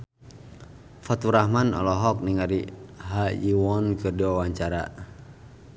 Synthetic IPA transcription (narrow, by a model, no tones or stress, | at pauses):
fat̪uɾahmanɔ̰lɔɦɔk̚niŋaɾiɦajiwɔnkɨrdiwawaɲt͡ʃaɾa̰